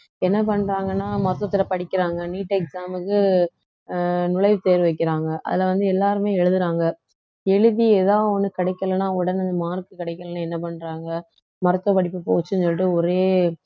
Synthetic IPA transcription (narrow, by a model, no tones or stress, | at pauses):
ɛnːɐp̬ɐɳɾaːŋɡɐnːaːmɐɾɐt̪ːɐt̪ːɪlɐpɐɽɪkːɪɾaːŋɡɐniːʈːɛk̚saːmɯkːɯ | nʊlɐɪʋɯt̪eːɾɯʋɐɪkːɪɾaːŋɡɐʔɐ̰ðɪlɐʋɐnd̪ɯɛlːaːɾɯmeːɛɻɯðɯɾaːŋɡɐ | ɛɻɯðieːðaːʋɔnːɯkɪɽɐɪkːɐlɐnaːʊɽɐnɐnd̪ɐmaːɾkːɯkɪɽɐɪkːɐlɐnaːɛnːɐpɐɳːɾaːŋɡɐ | mɐɾɐt̪ːɐpɐɽɪpːɯpoːt͡ʃːɯnɔlʈːɯɔɾeː